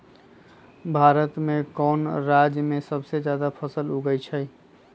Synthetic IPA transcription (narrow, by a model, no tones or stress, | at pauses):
bʱaːɾət̪mẽkɔːnɾad͡ʒjəmẽsəbsed͡ʒjad̪apʰəsəluɡəjt͡ʃʰəj